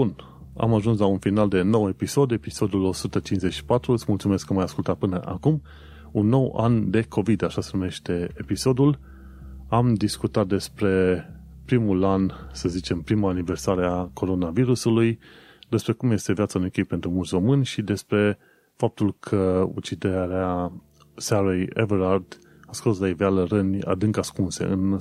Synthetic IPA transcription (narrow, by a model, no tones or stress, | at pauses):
un | a̰maʒuns̬launfinald̪e̞no̞we̞piso̞d̪e̞piso̞d̪ulo̞sut̪ət͡ʃinzeʃi̥pat̪ɾuɨt̪smult̪sume̞skːəmajaskult̪at̪̚pɨnəʔakum | unːo̞wa̰nd̪e̞kʰo̞vid̪aʃase̞nume̞ʃt̪e̞episo̞d̪ul | amd̪iskut̪at̪̚d̪e̞spɾe̞ | pɾimulansəzit͡ʃe̞mpɾimaːnive̞rsaɾeako̞ɾo̞naviɾusuluj | d̪e̞spɾe̞kumje̞st̪e̞vjat̪sanumikʲejpe̞nt̪ɾumult̪sʲro̞mɨnʲʃid̪e̞spɾe̞ | fap̚t̪ulkʰəṵt͡ʃid̪eɾea | saɾejḛvəɾard̪̥ | askoslaidealəɾənʲa̰d̪ɨŋkaskunse̞̰ʔɨn